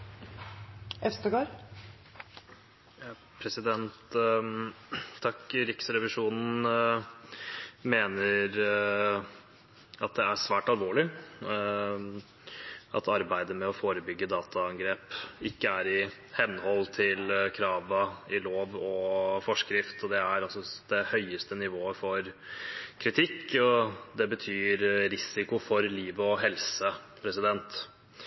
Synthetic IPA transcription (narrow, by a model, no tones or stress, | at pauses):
ɛfst̪əɡoːɾ | pʰɾɛsɪd̪ɛnt̪ | ɑkːɾɪksɾɛʋɪʂuːnn̩ | meːnəɾ | ɑt̪̚d̪ɛæʂʋæːʈɑlʋoːɭɪ | ʔɑ̰t̪ʰɑɾbæɪd̪əmɛɔfoːɾəbʏɡːəd̪ɑːt̪ʰɑɑŋɡɾeːpɪkːəæɾɪ | hɛnːhɔlːt̪ʰɪlkʰɾɑːʋəɪloːʋɔfɔʂkɾɪft̪ɔd̪ɛæɾɑsɔd̪̥ɛhœʏəst̪ənɪʋoːəfɔɾ | kʰɾɪt̪ʰɪkːɔd̪ɛbət̪ʰyːɾɾɪsɪkʊfɔɾliːʋɔɦɛlsəpʰɾɛsɪd̪ɛnt̪